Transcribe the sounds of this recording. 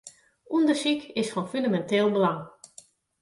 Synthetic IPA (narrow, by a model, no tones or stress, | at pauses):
ʔundərsikɪsfɔnfyndamɛnteːlˠbəlaŋ